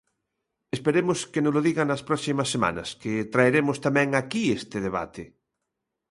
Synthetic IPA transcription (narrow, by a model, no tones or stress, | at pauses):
espeɾemoskenʊzloðiɣɐnɐspɾɔsimɐsːema̰nɐ̰sket̪ɾaeɾemʊst̪amɛ̃ŋakiest̪ɪðeβa̰t̪ɪ